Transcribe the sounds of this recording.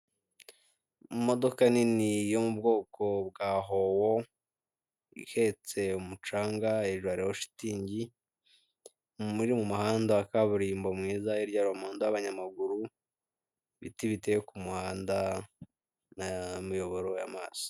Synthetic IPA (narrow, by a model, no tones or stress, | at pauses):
mo̞do̞kaninijo̞mub̚ɡo̞ːko̞bɡaːɦo̞wo | ḭhe̞t͡se̞umut͡ʃaːŋɡaeʒwaɾewoʃi̥tiːɲɟi | miɾimumuhaːndaakaβuɾiːmbo̞mŋiːzaiɾɟaɾuamaːndowaβaɲamaɡuɾu | βḭtiβitejokumuhaːnda | namijo̞βo̞ɾo̞jamaːz̥i̥